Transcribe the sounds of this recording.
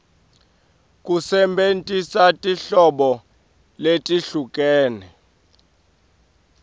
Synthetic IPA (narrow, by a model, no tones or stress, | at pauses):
kʼusɛmbʱentʼisatʼiɬɔɓɔ | letʼiɬukʼɛːnɛ